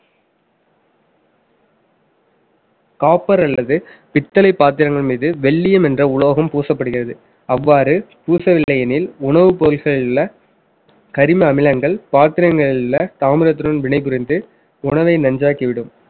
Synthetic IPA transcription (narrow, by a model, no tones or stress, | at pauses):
kaːpːɐɾɐɭːɐðɯpɪt̪ːɐlɐɪpːaːt̪̬ɪɾɐŋɡɐɭmiːðɯʋɛɭːɪjɐmɛndrɐʊloːɣɐmpuːsɐpːɐɽɯɣɪrɐðɯ | ɐʋːaːɾɯpuːsɐʋɪɭːɐjɐnɪlʊɳɐʋɯpolɣɐɭɪlɐ | kɐɾɪmɐɐmɪlɐŋɡɐɭpaːt̪ɪɾɐŋɡɐɭɪlɐt̪aːmɪɾɐt̪̬ːɪɾɯnʋɪɳɐɪp̬ʊɾɪnd̪ɯ | ʊɳɐʋɐɪnɐɲd͡ʒaːkiʋɪɽɯm